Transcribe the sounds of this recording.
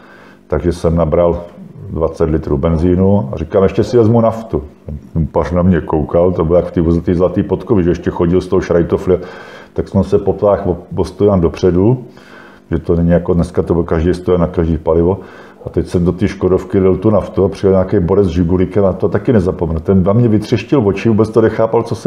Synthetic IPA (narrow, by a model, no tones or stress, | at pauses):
t̪aɡʒɛsɛmnabɾaldvat͡sɛt̪lɪt̪ɾuːbɛnziːnua̰rɪkaːmʔɛʃcɛsɪvɛzmunaft̪ut̪ɛnunparnamɲɛkowkalt̪obɪljakft̪iːvozɛt̪iːzlat̪iːpot̪kovɪʒɛɛʃcɛxoɟɪlst̪oɦoʃɾajt̪oflɪt̪aksɛnsɛpopt̪aːxovost̪udaːndo̞pr̝̥ɛdu | ʒɛt̪onɛɲɪjakodnɛskat̪obɪlkaʒdɛjst̪ojɛnakaʒdiːpalɪvo̞ | at̪ɛcsɛmdot̪iːʃkodofkɪlɪlt̪unaft̪uapr̝ɪjɛlɲaːkɛjboɾɛzʒɪɡulɪkɛmat̪ot̪akɪnɛzapomɛnut̪ɛndamɲɛvɪt̪r̝̥ɪʃcɪlvot͡ʃɪvuːbɛt͡st̪onɛxaːpalt͡sosɛ